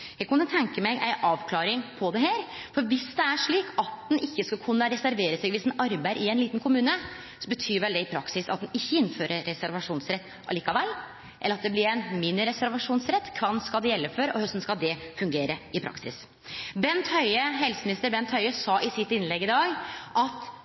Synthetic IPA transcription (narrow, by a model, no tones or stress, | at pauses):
jæɡkʊnət̪ʰɛŋkəmæɡʔæ̰ɪʔɑːʋkʰlɑːɾɪŋpʰɔd̪ɛheːɾfɔɾʋɪsd̪ɛæʂɭiːkɑt̪̚d̪ɛnɪçːəskɑkʰʉnːəɾɛsæɾʋeːɾəsɛːɡʋɪsd̪ɛnɑɾbæɪʔɪæɪnliːt̪nkʰʊmʉːnə | sɔbət̪ʰyːɾʋɛld̪ɛɪpʰɾɑksɪsɑ̰t̪̚d̪ɛnɪçːəɪnːføːɾəːɛsæɾʋɑʂuːnsɾɛt̪ː | ɑ̰liːkɑʋɛlː | ʔɛlːəɾɑt̪̚d̪ɛblɪɾɛnmɪnːəɾɛsæɾʋɑʂuːnsɾɛt̪ːkʰʋɑnskɑld̪ɛjɛlːəføɾɔ̰hœst̪n̩skɑld̪ɛfʉŋɡeːɾəɪpʰɾɑ̰ksɪ̰s | bɛnt̪hœʏəɦɛlsəmɪnɪst̪əɾbɛnt̪ʰhœʏəsɑʔɪsɪt̪ːɪnlɛɡːɪd̪ɑːɡʔɑt̪